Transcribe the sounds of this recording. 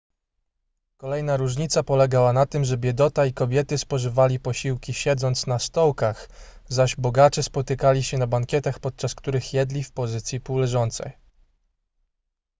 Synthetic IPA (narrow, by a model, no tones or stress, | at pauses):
kɔlɛjnaɾuʐɲit̪sapɔlɛɡawanat̪ɘmʐɛbʲjɛd̪ɔt̪aikɔbʲjɛt̪ɘspɔʐɘvalʲipɔɕiwkʲiɕɛd̪zɔnt̪snast̪ɔwkax | zaʑbɔɡat͡ʂɛspɔt̪ɘkalʲiɕɛnabaŋkʲjɛt̪axpɔt̪̚t͡ʂaskt̪uɾɘxjɛd̪lʲifpɔzɘt̪sʲjipuwlɛʐɔnt̪sɛ̰j